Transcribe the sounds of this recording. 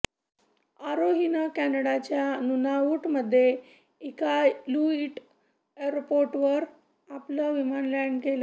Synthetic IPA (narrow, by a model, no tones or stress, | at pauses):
aɾoɦinəkænəɽat͡ɕjanunaʋuʈməd̪ʱːje | ikaluiʈ | eɾpoɾʈʋəɾ | apləʋimanlaɳɖɡela